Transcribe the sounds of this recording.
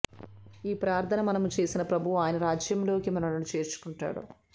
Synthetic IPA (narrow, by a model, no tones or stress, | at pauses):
iːpɾaːɾt̪ʰɐnɐmɐnɐmut͡ʃe̞ːsinɐpɾɐbʱuʋuaːjɐnɐɾaːd͡ʒjɐmlo̞ːkimɐnɐnɐmut͡ʃe̞ːɾt͡ʃu̥kuɳʈa̰ːɽṵ